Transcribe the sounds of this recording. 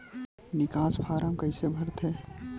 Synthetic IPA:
nɪkaːspʰaːɾə̃mkɐisebʱəɾt̪ʰɛː

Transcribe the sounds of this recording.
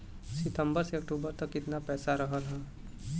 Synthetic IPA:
sɪt̪əmbəɾseɐkʈuːbəɾt̪əkɪt̪napɛːsaɾəɦəlɦɛ̃ː

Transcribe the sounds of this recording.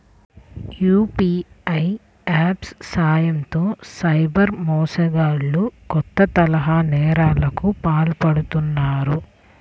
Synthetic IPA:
juːpiːɐj | aːpssaːjɐmt̪o̞ːsɐjbɐɾmɔːsɐɡaːɭːukɔt̪ːɐt̪ɐlɐɦaːnɛːɾaːlɐkupaːlpɐɽut̪unːaːɾu

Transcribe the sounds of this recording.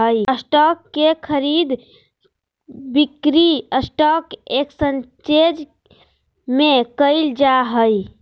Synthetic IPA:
ɦəjəsʈɔkːekʰəɾid̪ | bikɾiəsʈɔkeksənt͡ʃed͡ʒ | mekəɪld͡ʒaɦəj

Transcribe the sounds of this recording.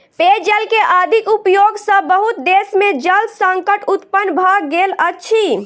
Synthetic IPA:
ped͡ʒəlkeʔad̪ʱikupjoɡsə̃bəɦut̪̚d̪esmed͡ʒəlsə̃ŋkəʈut̪pənːbʱaɡːelətːʃʰi

